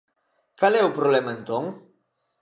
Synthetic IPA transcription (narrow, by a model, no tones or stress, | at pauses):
kalɛupɾoβlɛməent̪oŋ